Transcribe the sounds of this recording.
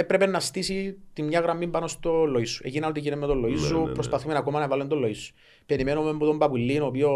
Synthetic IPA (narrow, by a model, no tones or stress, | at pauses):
epɾe̞penɐst̪isit̪imɲɐɣɾɐmːimpɐno̞st̪o̞lːoisːu̥ecinɐnot̪icinemːet̪olːoisːupɾospɐθume̞nɐkomɐnɐvɐlːund̪olːoisːu̥ | pe̞ɾimenomemput̪o̞mbɐpulːinopio